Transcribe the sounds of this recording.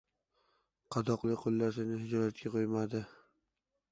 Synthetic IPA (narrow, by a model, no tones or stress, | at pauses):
qʰɑd̪ɒqlˠɪqʰolˠːaʃɪnɪhɪd͡ʒɒlat̪̚kʲaqʰojmad̪ɪ